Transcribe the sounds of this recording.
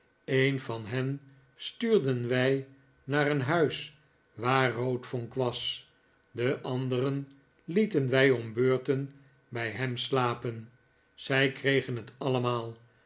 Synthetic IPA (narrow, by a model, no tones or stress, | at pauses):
ejnvɑnɦɛn | styːɹdənʋɛj | naːrənɦœɥs | ʋaːrowtfoŋkʋɑs | dəʔɑndərən | litənʋɛjɔmbøːɹtən | bɛjɦɛmslaːpən | z̥ɛjkrejχənɦətɑləmaːlˠ